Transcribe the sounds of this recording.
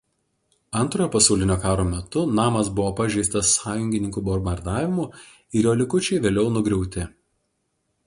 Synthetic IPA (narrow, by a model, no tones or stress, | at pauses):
ɐnˑt̪ɾoːjoːpɐsɐʊlʲɪnʲoːkɑːɾoːmʲɛt̪ʊnɑːmɐsbʊʋoːpɐʒʲɛɪst̪ɐsːɑːjʊŋʲɡʲɪnʲɪŋkuːbɔɾbɐɾd̪ɑːʋʲɪmʊ | ɪɾjoːlʲɪkʊt͡ʃʲɛɪʋʲeːlʲɛʊnʊɡɾʲɛʊt̪ʲɪ